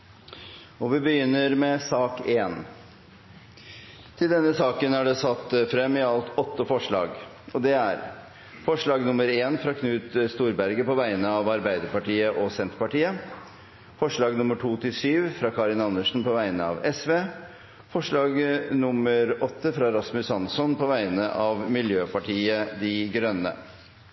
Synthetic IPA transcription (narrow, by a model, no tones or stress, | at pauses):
ɔʋɪbəjʏnːəɾmɛsɑːkeːn | t̪ʰɪld̪ɛnːəsɑːkənæɖɛsɑt̪ːfɾɛmːɪɑlt̪ɔt̪ːəfɔʂɭɑ̰ːɡ | ɔd̪ɛæɾ | fɔʂɭɑːɡnʊmːəɾeːnfɾɑːkʰnʉːt̪st̪uːɾbæɾɡəpɔʋæɪnəɑʋɑɾbæɪd̪əɾpɑʈiːəʔɔsɛnt̪pɑʈiːə | fɔʂɭɑːɡnʊməʈʰuːt̪ʰɪlsyːʋfɾɑkʰɑɾɪnɑnːəʂn̩pɔʋæɪnəɑ̰ʋɛsʋeː | fɔʂɭɑːɡnʊməɾɔt̪ːəfɾɑɾɑsmʉsɑnsɔnpʰɔʋæɪnəʔɑʋmɪljøːpʰɑʈʰiːəd̪ɪɡɾœnːə̰